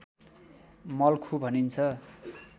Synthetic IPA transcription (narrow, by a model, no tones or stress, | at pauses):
mʌlkʰubʱʌnint͡sʰʌ